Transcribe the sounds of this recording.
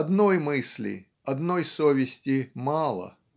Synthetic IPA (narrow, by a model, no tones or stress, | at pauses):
ɐd̪nojmɨsʲlʲɪ̰ | ɐd̪no̞jsovʲɪsʲtʲɪmɑlˠə̰